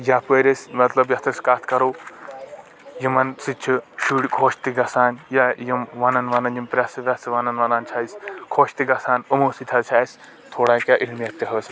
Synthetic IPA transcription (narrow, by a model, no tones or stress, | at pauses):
japəɾʲɐsʲmɐt̪lɐbjɐt̪ʰɐskaːt̪ʰkɐɾoː | jimɐnsɨt͡ʃʰiʃuɽʲkʰoːʃt̪iɡɐsaːnjajimʋaːnɐnʋanɐnjimpɾʲaːsɐʋʲasiʋanɐnʋɐnaːnt͡ʃʰaːiskʰoːʃt̪iɡɐsaːnɐmoːsit̪ʰat͡ʃʰaːis | t̪ʰoːɽaːkʲaʔiɾmjɐɾt̪iɦɐsʲ